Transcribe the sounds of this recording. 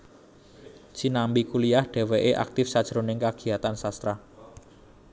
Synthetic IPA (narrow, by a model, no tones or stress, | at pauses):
t͡ʃinambikuliahɖ̥e̤weʔeʔa̰k̚t̪ɪfsad̥ʒ̥ɾonɪŋkaɡ̥i̤at̪ansast̪ɾa